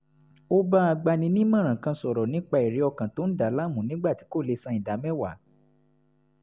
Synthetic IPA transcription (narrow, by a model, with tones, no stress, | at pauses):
o˦ba˦a˧ɡ͡ba˧nĩ˧nĩ˦mã˦˨ɾ̃ã˨kã˧sɔ˨ɾɔ˨nĩ˨˦k͡pa˧˨i˨ɾe˨˦ɔ˧kã˨to˨˦n̩˦da˨˦la˦mũ˨nĩ˦ɡ͡ba˦˨ti̥˨˦ko˦˨le˧sã˧˦ĩ˨da˨˦mɛ̃˦˨wa˨˦